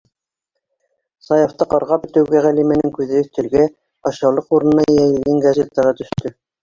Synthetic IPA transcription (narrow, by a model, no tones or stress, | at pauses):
sɑjɑ̆ft̪ɤqɑɾʁɑpɘ̆t̪ɘ̆wɡæʁælimænɘŋkʉðɘɵ̆θt̪ɘ̆lɡæ | ɑɕɑwlˠɤquɾɤ̆nːɑjæjɘ̆ðɘŋɡɑzʲet̪ːɑʁɤt̪ɵ̆ʃt̪ɵ